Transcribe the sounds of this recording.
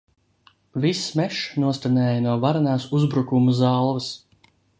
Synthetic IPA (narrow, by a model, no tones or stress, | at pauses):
vismɛʃnuɔst̪anɛːjɐnuɔvaɾanaːsuzbɾukumuzalˠvɐs